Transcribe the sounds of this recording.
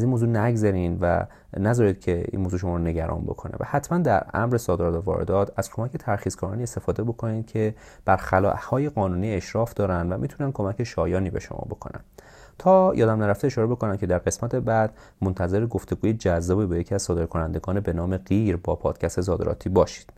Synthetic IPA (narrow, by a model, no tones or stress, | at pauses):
æziːnmoːzuːnæɡzæɾiːnvæ̰ | næzɒːɾiːd̪̥̚cʰe̞ḭnmoːzuːʃomɒːɾone̞ɟæɾʔɒ̰nbo̞̰kʰo̞nḛvæ̰hæt̪ʰmænd̪æɾæ̰mɾe̞sɒːd̪eɾɒːt̪ævɒ̰ːɾḛd̪ɒːt̪ʰæz̥kʰo̞mæcʰe̞t̪ʰæɾxiːzkʰɒɾɒːniːe̞st̪e̞fɒːd̪e̞bo̞kʰoniːd̪cʰe̞ | b̥æɾxælɒ̰ːʔhɒːje̞ɣɒːnuːniːeʃɾɒːfd̪ɒːɾænd̪væmit̪ʰunænkʰo̞mæcʰeʃɒːjɒːniːbe̞̰ʃomɒ̰ːbo̞̰kʰo̞̰næ̰n | t̪ʰɒːjɒ̰ːd̪æmnæɾæft̪eːʃɒːɾebo̞kʰo̞næmcʰe̞d̪æɾɢe̞smæt̪ʰe̞bæd̪̥ | mont̪ʰæze̞ɾeɡoft̪e̞ɡuːjed͡ʒæzːɒːbebejecʰiæz̥sɒːd̪e̞ɾkʰo̞nænd̪e̞ɡɒːnebe̞nɒːme̞ɢiːɾbɒːpʰɒ̰ːd̪̥cʰæst̪ezɒːd̪eɾɒ̰ːt̪ʰiːbɒːʃi̥d̪̥